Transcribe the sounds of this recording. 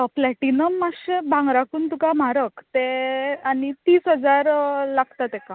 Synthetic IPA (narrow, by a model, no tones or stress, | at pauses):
plɛʈinəmːaɕebʱãŋɡɾakuːnt̪ukam̤aɾəkt̪eanit̪iːsɦəd͡zaɾlaɡt̪at̪eka